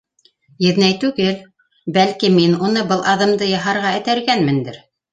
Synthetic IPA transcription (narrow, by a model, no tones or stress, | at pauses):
jɘ̆ðnæjt̪ʉɡɘl | bælkiminunɤbɤlˠʔɑðɤ̆md̪ɤjɑɦɑɾʁɑɘ̆t̪æɾɡænmɘ̆nd̪ɘɾ